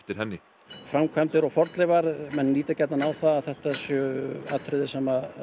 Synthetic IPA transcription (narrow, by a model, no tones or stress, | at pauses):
ft̪ɪɾhɦɛnːɪ | fɾamkʰvamt̪ɪɾɔɣfɔɾt̪lɛvaɾmɛnliːt̪acajt̪nanawθaːðθɛht̪asjœa̰t̪ʰɾɪðɪsɛma